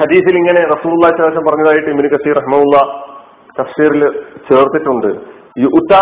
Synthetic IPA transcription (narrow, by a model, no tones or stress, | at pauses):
hɐd̪iːθiliŋːɐne̞rɐsuːlulˠːaːisɐlːʋsɐmpɐrɐɲːɐðaːjiʈːɨibinukɐsiːrɐɦimɐɦulːɐː | kɐfʂiːɾilt͡ɕe̞ːrt̪ːiʈːuɳɖɨ | iʔut̪ːaː